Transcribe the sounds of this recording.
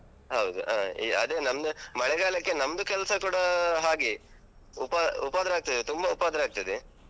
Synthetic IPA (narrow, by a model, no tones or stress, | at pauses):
ɦɐwd̪ṵaːḭɐ̰d̪eːnɐmd̪umɐɭɛɡaːlɐkːe̞nɐmd̪ukɛlɐsɐkuːɽɐɦaːɡi | upaupaːd̪ɐɾeaːɡ̚t̪ɐd̪et̪umbɐupaːd̪ɐɾaːɡ̚t̪ɐd̪e